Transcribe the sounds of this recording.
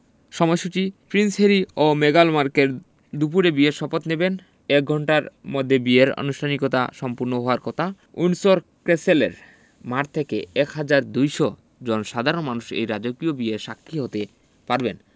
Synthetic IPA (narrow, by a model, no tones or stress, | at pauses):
ʃɔmɔjʃut͡ɕipɾinsɦeɾiomeɡalmaɾkeɾ | d̪up̬uɾebieɾʃɔpot̪neben | ɛk̚ɡʱɔɳʈaɾmod̪ʱːebieɾo̰nuʃʈʰanikot̪a̰ʃɔmpuɾnoɦɔoaɾkɔt̪ʰa | unsoɾkɾeselḛɾ | maɾt̪ʰekḛɛkɦad͡ʑaɾd̪ujʃo | d͡ʑonʃad̪ʱaɾonmanuʃḛjɾad͡ʑokiobieʃakʰːiɦot̪e | paɾben